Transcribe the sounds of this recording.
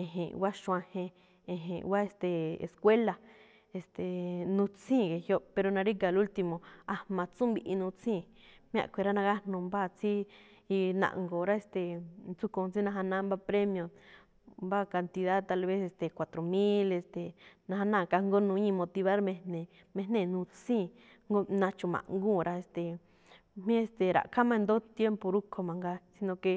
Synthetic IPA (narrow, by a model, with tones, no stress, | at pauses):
ẽ˨ɦḛ̃˨wa˦ʃũ˧ã˧hẽ˧ | ẽ˧ɦḛ̃˨wa˦e˧st̪e˨ḛ˨skwe˦la˨ | e˧st̪e˨nũ˧t͡sĩː˦˨ke˧hjo˦pe˧ɾo˧nã˧ɾi˦ka˧˨lu˦lt̪i˧mõ˨a˧mã˧t͡sũ˦mbi˧ʔi˧nũ˧t͡sĩ˦˨ | mj̃ã̰˦˧˨kʷe˧ɾa˦nã˧ɣa˦n̥ũ˧mba˦˨t͡si˦ | i˧nã̰˨ʔŋɡo˨ɾa˦e˧st̪e˨nt͡su˦kõ˧t͡si˦nã˧ɦa˧nã˦mba˦pɾe˦mj̃õ˧ | mba˦ka˧nt̪i˧ða˦ðt̪a˧lβe˦se˧st̪e˨kʷa˨t̪ɾo˨mĩ˦le˧st̪e˨nã˧ha˧nãː˦˨˧ka˧ŋɡo˦nũ˧˦ɲĩ˧mõ˧t̪i˧βa˦ɾmẽ˧nẽ˨ | mẽ˧nẽ˦˧˨nũ˧t͡sĩː˦˨ | ŋɡo˦nã˧t͡ʃũ˧˨mã̰˨ʔŋɡũ˦˨ɾa˧e˧st̪e˨ | mĩ˦e˧st̪e˨ɾa̰˨kʰa˦mã˧nd̪o˦t̪je˦mpo˧ɾu˦kʰo˧mã˨ŋɡa˧si˧nõ˧ke˧